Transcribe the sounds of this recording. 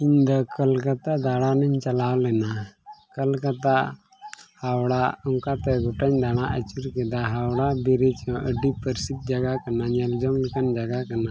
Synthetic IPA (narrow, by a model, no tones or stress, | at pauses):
iɲd̪ɔkəlkat̪aʔd̪aɽanɛɲt͡ʃalawlɛnakəlkat̪aʔ | hawɽaɔŋkat̪ɛɡɔʈaɲd̪aɽ̃aʔət͡ʃuɾkɛd̪aɦawɽabiɾit͡ʃɔ̃ʔəɖipəɾsit̪̚d͡ʒaɡakanaɲɛld͡ʒɔŋlɛkand͡ʒaɡakana